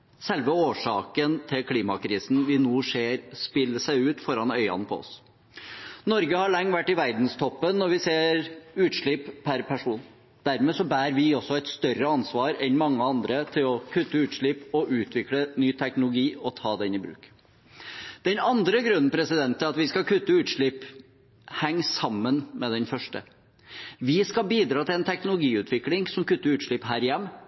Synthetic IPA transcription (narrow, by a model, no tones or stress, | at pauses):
sɛlʋəoːʂɑːkənt̪ʰɪlkʰliːmɑkʰɾiːsn̩ʋɪnuːseːɾspɪlːəsæɪʉːt̪fɔɾɑnœʏɑ̰npʰɔ̰ɔ̰s | nɔɾɡəhɑɭɑŋːʋæʈːɪʋæɾd̪n̩st̪ʰɔpːənːɔɾʋɪseːɾʉːt̪ʂɭɪppʰːæɾpʰæʂuːn | d̪̥æɾmɛːsɔbæːɾʋɪɔsɔɛɪt̪st̪œɾəɑnsʋɑːɾɛnmɑŋːəɑnd̪ɾət̪ʰɪlɔkʰʉt̪ːəʉːt̪ʂɭɪpːɔʔʉːt̪ʰʋɪklənyːt̪ʰɛknʊlʊɡiːɔt̪ʰɑːd̪ɛɪnːɪbɾʉ̰ːk | d̪̥ɛnɑnd̪ɾəɡɾʉnːn̩pʰɾɛsɪd̪ɛnt̪ʰːɪlɑt̪ʋɪskɑkʰʉt̪ːəʉːt̪ʂɭɪp | hɛŋːsɑmːənmɛd̪ɛnfœʂʈə̰ | ʋɪskɑbiːd̪ɾɑːt̪ʰɪlɛnt̪ʰɛknʊlʊɡiːʉːt̪ʰʋɪklɪŋsɔmkʉt̪ːəɾʉːt̪ʂɭɪpɦæːɾɪjɛmː